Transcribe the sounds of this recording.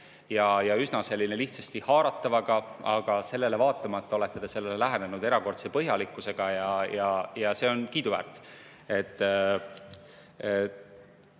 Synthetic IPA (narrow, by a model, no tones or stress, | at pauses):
jɑjɑysnɑse̞lːineliht̪sɑst̪ihɑːɾɑt̪ːˑɑvɑɡ̥ɑɑɡ̥ɑse̞lːe̞le̞vɑːt̪ːˑɑmɑt̪ːˑɑo̞let̪ːed̪̥ese̞lːelelæɦene̞nud̪e̞ɾɑko̞rt̪sepɤɦjɑlikːˑuse̞ɡ̥ɑjɑjɑjɑse̞ːo̞nkiːd̪uvæ̰ːrt̪ːˑ | e̞t̪ː